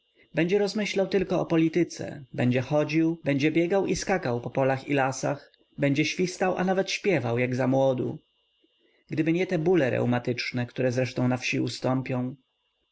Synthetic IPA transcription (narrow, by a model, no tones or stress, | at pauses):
bɛɲd͡ʑɛɾɔzmɘɕlawt̪ɘlkɔɔpɔlʲit̪ɘt̪sɛ̰bɛɲd͡ʑɛxɔd͡ʑiwbɛɲd͡ʑɛbʲjɛɡawʔiskakawpɔpɔlaxḭlasax | bɛɲd͡ʑɛɕfʲist̪awʔa̰navɛt̪ɕpʲjɛvawjaɡzamwɔd̪ṵ | ɡd̪ɘbɘɲɛt̪ɛbulɛɾɛ̰wmat̪ɘt͡ʂnɛkt̪uɾɛzɾɛʂt̪ɔ̃w̃nafɕiust̪ɔmpʲjɔ̃w̃